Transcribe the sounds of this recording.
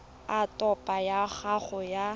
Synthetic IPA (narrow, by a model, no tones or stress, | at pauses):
atʼɔpʼajaχaχʊja